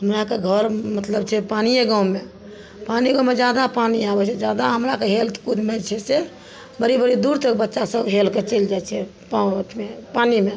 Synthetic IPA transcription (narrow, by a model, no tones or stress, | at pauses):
ɦəmɾakeɡʱəɾmət̪ləbt͡ʃʰɛpanijeɡãume | paniɡãmed͡ʒjad̪apaniabɛt͡ʃʰɛd͡ʒad̪aɦəmɾakeɦelt̪ʰkud̪met͡ʃʰɛse | bəɾibəɾid̪uɾt̪əkbətːʃasəbɦelket͡ʃeld͡ʒajt͡ʃʰɛ | pt͡ʃmepanime